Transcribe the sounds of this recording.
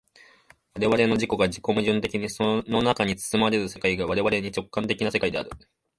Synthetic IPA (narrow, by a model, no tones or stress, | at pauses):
βaɾe̞βaɾe̞no̞ʑiko̞ɡad͡ʑiko̞mɯ̟ʑɨ̃nt̪e̞kʲiɲ̟isono̞nakaɲ̟it͡sɨ̥sɨmaɾe̞ɾɯ̟se̞kaiɡaβaɾe̞βaɾe̞ɲ̟it͡ɕo̞kːãnt̪e̞kʲinase̞kaid̪e̞a̰ɾɯ̟